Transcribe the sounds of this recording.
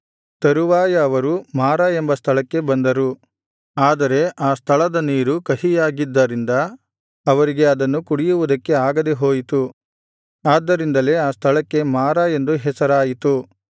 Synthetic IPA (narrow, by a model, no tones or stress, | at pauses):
t̪ɐɾuʋaːjɐːʋɐɾumaːɾɐe̞mbɐst̪ʰɐɭɐkːe̞bɐnd̪ɐɾu | aːd̪ɐɾe̞ʔaːst̪ʰɐɭɐd̪ɐniːɾukɐhijaːɡid̪ːɐɾind̪ɐː | ʋɐɾiɡe̞ɐd̪ɐnːukuɽijuʋud̪ɐkːe̞aːɡɐd̪eɦo̞ːjit̪u | aːd̪ːɐɾind̪ɐle̞aːst̪ʰɐɭɐkːe̞maːɾɐe̞nd̪uɦɛsɐɾaːjit̪u